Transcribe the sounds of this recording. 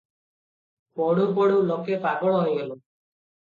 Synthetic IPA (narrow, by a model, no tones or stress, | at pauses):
pɔɽupɔɽulokepaɡɔɽ̃ɔɦɔjɡelu